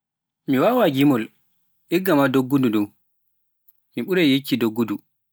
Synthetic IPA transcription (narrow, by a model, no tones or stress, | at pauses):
miwawaɡimɔl | ɛɡːamadoɡːududɔw | miɓuɾɛjjet͡ʃːidoɡːudu